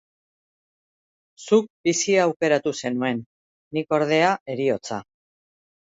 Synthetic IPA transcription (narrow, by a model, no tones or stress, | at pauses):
suk̚bisiaːwke̞ɾat̪use̞nue̞nː | iko̞ɾðe̞ae̞ɾio̞t͡sa